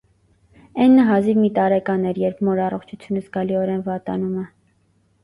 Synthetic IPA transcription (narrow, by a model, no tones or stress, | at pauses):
ɛnːəɦɑzivmit̪ɑɾɛkɑnɛɾjɛɾp̚ʰmɔɾɑrɔχt͡ʃʰut͡sʰjunəzɡɑliɔɾɛnvɑt̪ɑ̰numə